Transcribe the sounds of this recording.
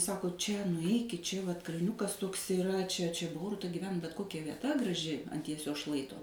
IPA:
ˈsɑːkoː ˈt͡ʃʲɛ nʊˈɛɪkʲɪt ˈt͡ʃʲɛ ʋɐt kɐlʲˈnʲʊkɐs ˈtuɔks ɪˈrɐ t͡ʃʲɛ t͡ʃʲɛ ˈboːrʊtɐ ɡʲɪˈʋʲɛn bʲɛt ˈkoːkʲɛ ʋʲiɛˈtɐ ɡrɐˈʒʲɪ ɐnt jiɛˈsʲoːs ˈʃlˠɐɪtoː

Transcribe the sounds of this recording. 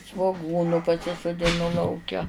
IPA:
sʋoːˈɡuːnʊ pɐsʲɪsʊdʲɪˈnʊ lˠɐʊˈkʲɛ

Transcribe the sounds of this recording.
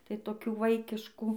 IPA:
tɐɪ toːˈkʲuː ˈʋɐɪkʲɪʃkuː

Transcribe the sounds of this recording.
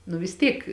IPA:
nʊ ʋʲɪs ˈtʲiːk

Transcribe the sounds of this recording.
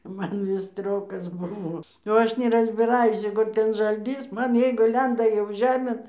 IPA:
ˈmɐn ˈʋʲɪs ˈsʲtʲrʲoːkɐs bʊˈʋoː jɛʊ ˈɐʃ nʲɛˈrɑːzʲbʲɪrɐˈjʊs jɛʊ ˈkʊ tʲɛn ʒɐlʲˈtʲiːs ˈmɐn ˈjɛɪɡʊ ˈlʲɛndɐ jɛʊ ˈʒʲæːmʲeːn

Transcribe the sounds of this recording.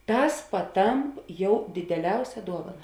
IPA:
ˈtɐs pɐˈtɐmp ˈjɛʊ dʲɪdʲɛˈlʲɛʊsʲɛ ˈduɔʋɐnɐ

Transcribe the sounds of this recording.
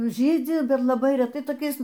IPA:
ˈʒʲiːd͡zʲɪ ˈbʲɛt lˠɐˈbɐɪ rʲɛˈtɐɪ toːˈkʲɛɪs

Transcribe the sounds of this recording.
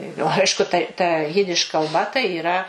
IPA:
jɛʊ ˈɐɪʃkʊ tɐ tɐ ˈjɪdʲɪʃ kɐlˠˈbɐ tɐɪ iːˈrɐ

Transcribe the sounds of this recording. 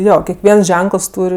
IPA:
ˈjoː kʲɛkˈʋʲiɛns ˈʒʲɛŋkəlˠs ˈtuːrʲ

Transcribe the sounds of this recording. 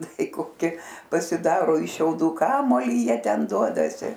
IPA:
ˈtɐɪ koːˈkʲɪ pɐsʲɪˈdɑːroː ɪʃ ʃʲɛʊˈduː ˈkɑːmuɔlʲiː ˈjiɛ ˈtʲɛn ˈduɔdɐsʲɪ

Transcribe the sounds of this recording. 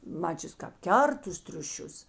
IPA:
ˈmɑːt͡ʃʲʊs kɐp ˈkʲɛrt tʊs tʲrʲʊˈʃʲʊs

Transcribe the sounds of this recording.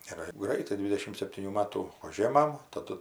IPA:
ɪr ˈɡrɐɪtɐɪ ˈdʲʋʲɪdʲɛʃʲɪm sʲɛpʲtʲiːˈnʲuː ˈmɑːtuː ˈʊʒʲeːmɐm tɐˈdʊ

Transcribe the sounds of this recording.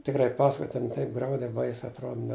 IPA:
tʲɪkˈrɐɪ ˈpɑːsɐkoːj tʲɛn ˈtɐɪp ˈɡrɐʊdʲɛɪ ˈbɐɪsʲɛɪ ɐtˈroːt nʲɛ

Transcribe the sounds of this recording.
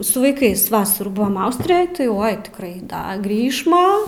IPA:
sʊ ʋɐɪˈkɐɪs ˈʋɑːsɐruː ˈbʊʋɐm ˈɐʊsʲtʲrʲɪjoːj tɐɪ ˈoːɪ tʲɪkˈrɐɪ ˈdɐ ˈɡrʲiːʃmɐ

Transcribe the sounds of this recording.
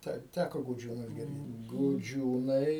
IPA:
ˈtɐɪ ˈtʲækoː ɡʊˈd͡ʒʲuːnʊs ɡʲɪrʲˈdʲeːt ɡʊˈd͡ʒʲuːnɐɪ

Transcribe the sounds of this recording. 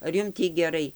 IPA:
ɐr ˈjʊm ˈtʲiː ɡʲɛˈrɐɪ

